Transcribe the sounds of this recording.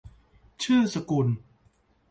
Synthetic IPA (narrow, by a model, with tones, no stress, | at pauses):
t͡ɕʰɯː˥˩sa˧ku˧n